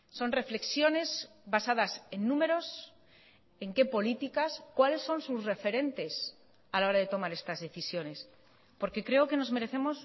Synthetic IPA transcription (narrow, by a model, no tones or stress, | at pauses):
so̞nre̞fle̞ksjo̞ne̞s | basaðase̞nːũme̞ɾo̞s | e̞ŋke̞po̞lit̪ikaskwale̞sːo̞nsusre̞fe̞ɾe̞nt̪e̞s | alao̞ɾaðe̞t̪o̞maɾe̞st̪azðe̞θisjo̞ne̞s | po̞ɾke̞kɾe̞oke̞no̞zme̞ɾe̞θe̞mo̞s